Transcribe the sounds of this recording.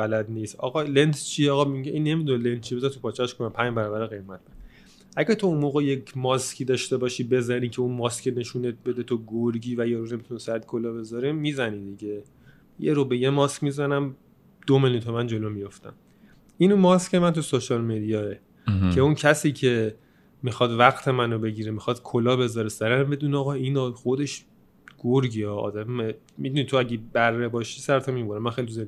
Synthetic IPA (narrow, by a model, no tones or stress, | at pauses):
bælæd̪niːst̪ɒ̰ɣɒlent̪t͡ʃʰieɒːɣɒieʔĩnːe̞mid̪unelent̪t͡ʃʰibezænt̪ʰupʰɒːt͡ʃʰæʃkonæmpʰæɲd͡ʒbæɾɒbæɾeɣejmæt̪̚ben | ʔæɟæɾt̪ʰounmoːɣejekʰmɒskʲʰiːd̪ɒʃt̪e̞bɒːʃiːbe̞zæɾiːcʰeũnmɒːskʰʲcʰene̞ʃunet̪̚be̞d̪et̪ʰoɡoɾɡiːvæjeɾone̞mit̪ʰunesæd̪̚kʰolɒːbe̞zɒɾiːiːzænid̪iɟe | jeɾobejemɒːskʲmizænæm | d̪̥omeluit̪ʰomænd͡ʒo̞loːmijo̞ft̪æ̰m | inumɒːscʰʲemænt̪ʰusoʃɒlmed̪ijɒːe | cʰe̞uncʰæsiːcʰe̞ | mixɒːd̪væɣt̪ʰe̞mænobe̞ɟiːɾemixɒd̪̥kʰolɒːbe̞zɒːɾesæɾemæmbe̞d̪uniɒːɣɒinɒχo̞d̪e̞ʃ | ɡ̥oɾɡiɒːɒ̰ːd̪æme | mid̪unit̪ʰoæɟebærːebɒːʃiːsæɾt̪ʰomiboɾæmːænxejlit̪uze